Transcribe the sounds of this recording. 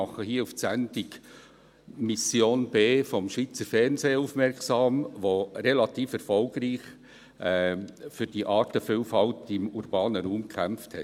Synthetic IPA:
ɑχəhiːəufsændɪk | misjoːnbeːfɔmʃʋiːt͡səɾfɛrnseːufmɛɾksɑːmʋoɾelɑt̪iːfɛɾfɔlɡ̥riːχ | ɛfʏɾd̥iʔɑːtəfʏlfɑltɪmuɾb̥ɑːnəɾuːmkʰχæmfthɛ

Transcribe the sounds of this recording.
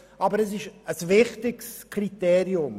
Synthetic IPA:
ʔɑbəɾɛsɪʃəsvɪχtɪkskʰriteːɾiʊm

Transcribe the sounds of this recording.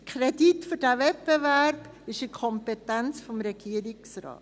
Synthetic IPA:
kʰɾɛditfʏɾdævɛt̚pevæɾb̥ɪʃəkʰɔmpɛtænt͡sfɔmɾɛɡiːəɾɪksɾɑ̰ːt

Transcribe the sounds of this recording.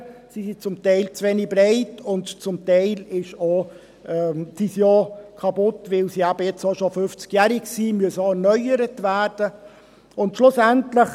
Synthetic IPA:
sisit͡sʊmtɛɪlt͡sʋɛnɪbɾaɪtʊntt͡sʊmtæɪlɪʃo | ɛd̥iːsjɑːkʰɑpʊtvɪlsiæbəjɛt͡soʃofʏft͡skjæːɾɪksimyəsoɛæɾnœʏəɾətvæːɾd̥ə | ʊntʃlʊsæntləχ

